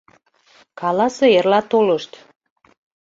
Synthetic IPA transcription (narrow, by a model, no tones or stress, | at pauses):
kɑlɑseerlɑt̪oləʃt̪